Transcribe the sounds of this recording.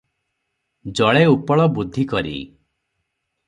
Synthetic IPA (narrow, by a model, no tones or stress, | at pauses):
d͡ʒɔɭeupɔɭɔbud̪ʱːikɔɾḭ